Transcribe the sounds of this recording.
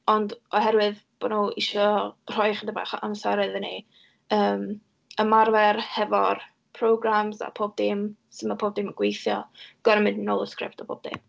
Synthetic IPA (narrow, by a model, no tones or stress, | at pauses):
ɔndɔɦɛɾwɨðb̥ɔnoɪʃɔr̥ɔjχədaba̰χamsaɾɛðəni | əːm | əmarvɛrhɛvɔr | pʰrowɡramza̰pʰoːb̚dɪmsɪmapʰoːb̚dɪməɡ̥wejθjɔɡ̥ɔɾəmɪndnoːlˠəskrɪ̰p̚tʰɔbʰo̰ːb̚d̥ɪ̰m